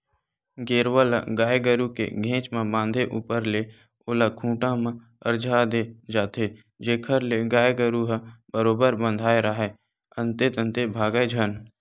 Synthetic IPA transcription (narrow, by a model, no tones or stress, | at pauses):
ɡeːɾwəlaɡaːeɡəɾukḛɡʱẽːt͡ʃmẽbãːnd̪ʱeʔuːpəɾle | oːlakʰũːʈãmã | əɾd͡ʒʱad̪ed͡ʒaːt̪e | d͡ʒeːkʰəɾleɡaːjeɡəɾuɦbəɾoːbəɾbə̃nd̪ʱaːeɾəɦe | ə̃nt̪et̪ə̃nt̪ebʱaːɡəd͡ʒʱən